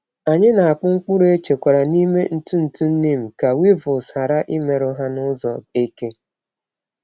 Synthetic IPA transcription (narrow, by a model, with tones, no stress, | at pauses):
a˨ɲɪ˦na˨a˨k͡pʊ˦ŋ̩˦k͡pu˦ɾe˦t͡ʃe˨kʷa˨ɾa˨ni˦me˦n̩˦tu˦n̩˨tu˦n̩˦ni˦m̩˨ka˨wi˦vʊ˨sha˨ɾa˦ʔɪ˦me˨ɾʊ˦ɦa˦nʊ˦zɔ˨e˦ke˦